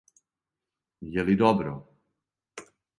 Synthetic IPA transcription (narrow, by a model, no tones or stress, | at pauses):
jɛlid̪ɔbɾɔ̰